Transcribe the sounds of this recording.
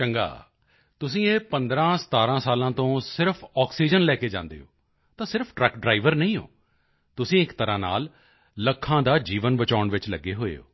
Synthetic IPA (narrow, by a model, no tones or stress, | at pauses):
t͡ʃəŋɡa̰ː | t̪ʊs̬ĩːeːpənd̪ɾãːsə̥t̪aːɾãːsaːlãːt̪õːsɪɾpʰɔːksiːd͡ʒənlɛːkeːd͡ʒã̰ːnd̪ḛːo̰ː | t̪ãːsɪɾpʰɖɾəkɖɾaːɪʋəɾnəĩːɦo̰ː | t̪ʊsĩːɪkt̪əɾãːna̰ːlː | əkʰːãːd̪aːd͡ʒiːʋənbət͡ʃaːʊɳʋɪt͡ʃləɡːeːɦoːḛːo̰ː